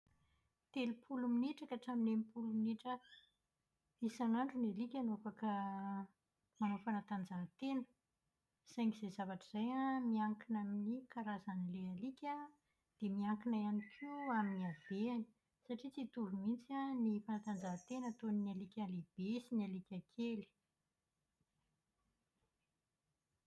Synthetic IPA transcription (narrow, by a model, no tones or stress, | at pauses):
t̪elupʰuluminiʈ͡ʂakaʈ͡ʂaminemipuluminiʈ͡ʂə | isanaɳɖ͡ʐunelikʲanofakə | manofanat̪and͡zaɦt̪enə̥ | z̥ajŋiz̥ejzavaʈ͡ʂəz̥ajamiaŋkinaminikʰaɾazanilealikʲə | d̪̥emiaŋkinajanikʰiaminiav̥eani̥ | saʈ͡ʂit͡sit̪uɾumint͡sanifanat̪and͡zaɦt̪enət̪oninalikʲaleb̥esinialikʲakʰeli̥